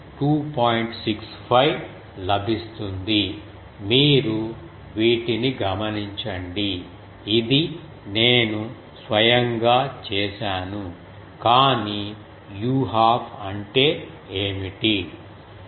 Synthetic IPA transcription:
ʈuːpaːjɳʈsiks | pʰɐj | lɐbʱist̪und̪i | miːɾu | ʋiːʈiniɡɐmɐniɲt͡ʃɐɳɖiː | d̪i | ne̞ːnu | sʋɐjɐŋɡaːt͡ʃɛːʃaːnu | kaːni | juːɦaːbʰɐɳʈe̞ː | eːmiʈi

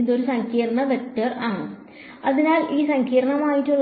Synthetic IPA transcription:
nd̪o̞ɾusɐŋkʰiːrɐɳɐʋetːɐraːɳɨ | ɐðinaːliːsɐŋkʰiːɾɐɳɐmaːjitːuɭː

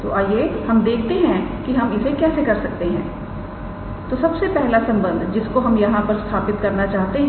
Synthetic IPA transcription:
t̪o̰ʔaːjehɐmd̪eːkʰt̪eɦɛ̃kiɦɐmɪsʰẽkɛːsekɐɾsɐk̚t̪eɦɛ̰̃ː | t̪oːsɐbsepɛɦlasɐ̃mbə̃nd̪ʱd͡ʒɪskoɦɐmjɐɦãpɐɾst̪ʰaːpɪt̪kɐɾnat͡ʃaːɦt̪eɦɛ

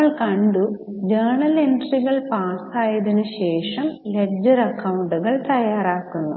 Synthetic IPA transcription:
ɐɭkɐɳɖu | d͡ʑɐːɳɐle̞nʈriɣɐɭpaːsaːjɐðinɨɕe̞ːʂɐmled͡ʑɐɾɐkːɐwuɳɖuɣɐɭt̪ɐjːaːɾaːkːunːṵ

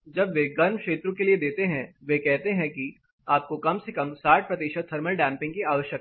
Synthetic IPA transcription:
d͡ʒɐbʋeɡɐɾmkʃeːt̪ɾõkelied̪eːt̪eɦɛ̃ʋekɛɦt̪eɦɛ̃ki | aːp̚kokɐmsekɐmsaːʈ̚ʰpɾɐt̪iːʃəd̪̚t̪ʰɐɾməlɖɛ̃ːmpɪ̃ŋɡkiaːʋəʃjək

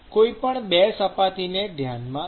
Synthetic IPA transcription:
koipəɳbɛsəpat̪ined̪ʱjanmã

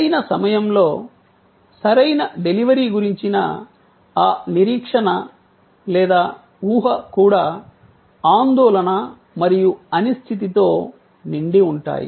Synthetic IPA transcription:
ɐjnɐsɐmɐjɐmlo̞ː | sɐɾɐjnɐɖe̞liʋɐɾiːɡuɾiɲt͡ʃinɐ̰ | aːniɾiːkʂɐɳɐ | lɛːd̪aː | uːɦɐkuːɽaː | aːnd̪ɔːlɐnɐ | mɐɾijuɐnist̪ʰit̪̬it̪o̞ː | niɳɖiuɳʈa̰ːjḭ

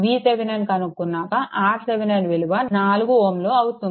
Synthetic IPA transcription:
ʋiːt̪eʋinɐnkɐnukːunːaːkɐʔaːɾseʋinɐnʋeluʋanaːluɡuoːmloːɐwut̪un

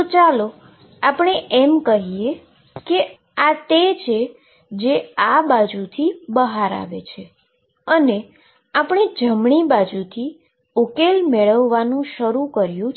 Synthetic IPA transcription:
t͡ʃalo | apɳ̃eʔɛmkəɦie | ke | at̪et͡ʃʰe | d͡ʒeabad͡ʒut̪ʰibəɦaɾa̰ʋḛt͡ʃʰe | əne | apɳ̃id͡ʒəmɳibad͡ʒut̪ʰi | ukelmeɭəʋːanũʃəɾũkəɾjũ

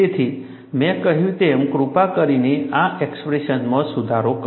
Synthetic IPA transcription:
et̪ʰi | mɛ̃kəɦjũt̪emkɾupakəɾineaʔekspɾeʃənmãsud̪ʱaɾok

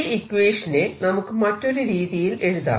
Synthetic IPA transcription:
ikʋeːʂɐnenɐmukːɨmɐtːo̞ɾuɾiːðijile̞ɻuða̰ː

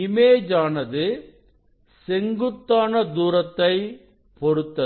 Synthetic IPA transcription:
ɪmeːd͡ʒaːnɐðɯ | sɛŋɡɯt̪ːaːnɐd̪uːɾɐt̪ːɐɪ | pɔɾɯt̪ːɐ

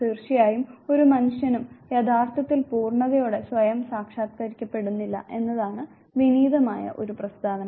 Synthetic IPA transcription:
iːrʂijaːjumo̞ɾumɐnuʂjɐnumjed̪ʱaːrt̪ʰɐt̪ːilpuːrɳɐɣɐjoːɽe̞sʋɐjɐmsaːkʂaːt̪̚kɐɾikʲːɐpːe̞ɽunːilːɐ̰ʔe̞nːɐðaːɳɨ | ʋiniːd̪ɐmaːjɐ̰ʔo̞ɾuprɐst̪aːʋɐnɐ

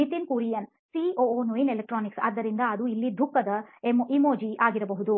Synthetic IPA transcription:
nit̪inkuːɾijɐn | sioːnuinelek̚ʈɾaːniksɐ̰ːd̪ːɐɾind̪ɐːd̪uilːid̪ʱukːɐd̪ɐemimoːd͡ʒiʔaːɡiɾɐbɐɦud̪u

